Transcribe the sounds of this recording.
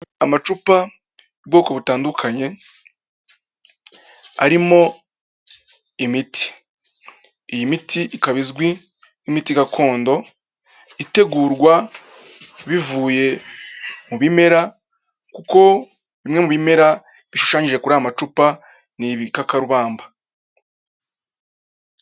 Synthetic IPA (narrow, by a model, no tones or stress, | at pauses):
amat͡ʃupa | ubɡo̞ːko̞βutaːndukʰaɲe̞ | a̰ɾimo̞ | imiti̥ | ijimitiʔikaβizɡwi | imitiɡakʰo̞ːndo̞ | ite̞ɡuːɾɡwa | βivuːje̞ | muβime̞ɾa | kuko̞ | βimŋe̞muβime̞ɾa | βiʃu̥ʃaːɲiʒe̞kuɾaamat͡ʃupa | niβikakaɾuβaːmba